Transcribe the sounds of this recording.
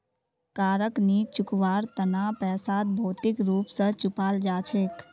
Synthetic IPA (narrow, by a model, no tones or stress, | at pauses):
kaːɾəknit͡ʃʊkʋaːɾt̪ənaːpɛːsaːt̪̚bʱoːt̪ɪkɾuːpsət͡ʃʊpaːld͡ʒaːt͡ʃʰeːk